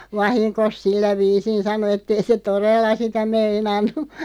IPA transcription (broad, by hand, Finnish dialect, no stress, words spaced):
ʋɑhinkos silːæ ʋiːsin sɑno etːei se torelːɑ sitæ meinɑnːu